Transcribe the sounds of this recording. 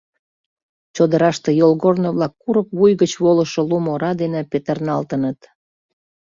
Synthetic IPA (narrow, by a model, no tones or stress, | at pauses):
t͡ɕod̪əɾɑʃt̪ejolɣornoβlɑkːuɾəkβujɣət͡ɕβoləʃolumoɾɑd̪enepet̪ərnɑlt̪ənət̪